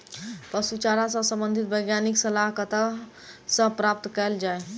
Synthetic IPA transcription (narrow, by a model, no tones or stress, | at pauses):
pəsut͡ʃaɾasəsə̃mbənd̪ʱit̪̚bəjɡjaniksəlaɦkət̪ʰa | sə̃pɾap̚t̪kɛld͡ʒae